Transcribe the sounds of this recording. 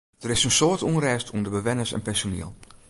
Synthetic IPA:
d̥əɾɪsənsoːtunrɛːstʰundəbəʋɛnəsɛ̰npɛnsonḭəlˠ

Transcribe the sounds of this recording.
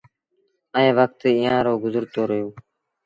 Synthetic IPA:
əẽːʋək̚t̪eːɪjãːɾoːɡʊzəɾt̪oːɾəɦjoː

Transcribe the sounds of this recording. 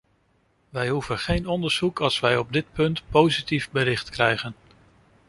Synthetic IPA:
ʋɛjɦuvənχejnɔndəɹz̥ukɑlˠsʋɛjɔb̚dɪt̚pɵntpowzitivbəɾɪχtkrɛjχən

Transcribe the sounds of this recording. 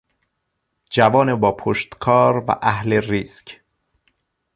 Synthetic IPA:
d͡ʒævɒːnebɒːpʰoʃt̪kʰɒːɾvæ̰ʔæhleriːsc

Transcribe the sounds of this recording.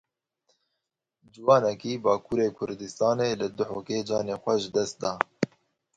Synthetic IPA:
d͡ʒɪwɑːnɛkiːbɑːkʰuːɾeːkʰʊɾd̪ɨst̪ɑːneːlɨd̪ʊħoːkeːd͡ʒɑːneːxʷɛʒɨd̪ɛst̪̚d̪ɑː

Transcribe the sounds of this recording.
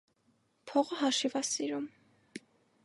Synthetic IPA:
pʰɔʁəɦɑʃivɑsiɾum

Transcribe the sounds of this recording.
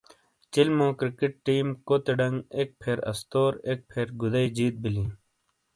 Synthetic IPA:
t͡ɕilmõːkɾikiʈ̚ʈiːmkoːt̪eɖɐŋɡeːk̚pʰeːɾɐ̰st̪oːɾek̚pʰeːɾɡud̪ɐid͡ʑiːt̪̚bilĩː

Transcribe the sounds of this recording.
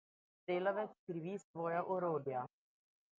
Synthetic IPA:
t̪eːlɐʋɛt̪skɾiʋisvɔːjaʔoɾoːd̪ja

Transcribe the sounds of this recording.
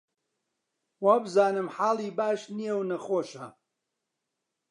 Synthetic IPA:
waːbɨzaːnɨmħaːlˠiːbaːʃnijɛwnɐxoːʃɐ

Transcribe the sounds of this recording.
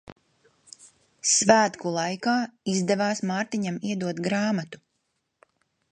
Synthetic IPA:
svæːt̪kulˠajkaːizd̪ɛvaːsmaːɾt̪iɲamiɛd̪uɔt̪ɡɾaːmat̪u̥

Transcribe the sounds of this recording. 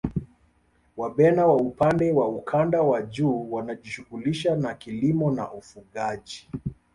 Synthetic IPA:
waɓɛnawaupandɛwaukʰandawaʄuːwanaʄiʃuɣuliʃanakilimɔna̰ʔufuɠaʄi

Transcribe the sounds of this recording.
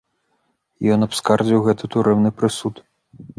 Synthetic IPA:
jɔnɐpskard͡zʲiwɣɛt̪ɨt̪uɾɛwnɨpɾɨsut̪

